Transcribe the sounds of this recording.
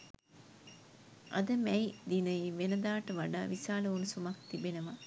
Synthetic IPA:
ʔa̰d̪əmɛjd̪inəjiʋenəd̪aːʈəʋaɖa̰ːʋisaːləunusumakt̪ibenəʋa

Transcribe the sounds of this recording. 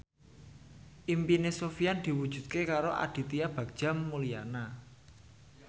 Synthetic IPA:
ʔimpinesofiand̪̥i̤wud̥ʒ̥ṳd̪̥̚kekaɾoʔa̰d̪̥i̤t̪iab̥ä̤kd̥ʒ̥a̤mːulijana

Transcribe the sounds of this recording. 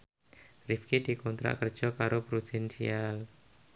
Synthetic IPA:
rifkid̥ikɔnt̪ɾa̰kər̥ʒ̥ɔkaɾopɾud̥insial

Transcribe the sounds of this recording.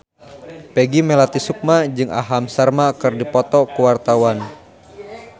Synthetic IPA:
pɛɡimɛlat̪isuk̚mad͡ʒɨŋʔa̰ɦamsarmakɨrdipɔt̪ɔkuwart̪awan

